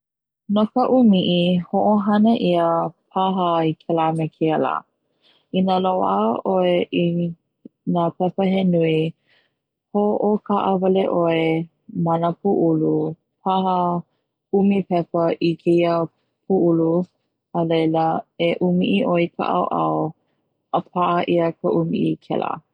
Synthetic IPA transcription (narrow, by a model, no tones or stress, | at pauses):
nakəʔumiʔihoʔoɦɐnəʔiəpʰaɦəikʰɛlamekʰeəla̰ː | inəlowa̰ʔoeʔi | napɛpəɦenui | hoʔokʰaʔəvɐleʔoe | mɐnəpʰuʔulu | pʰahə | umipɛpəʔikʰeiə | pʰuʔulu | əlejləeʔumiʔiʔoikʰa̰ʔa̰wʔɐ̰w | ʔəp̚ʰaʔəʔiəkəʔumḭʔikʰɛ̰lʔa̰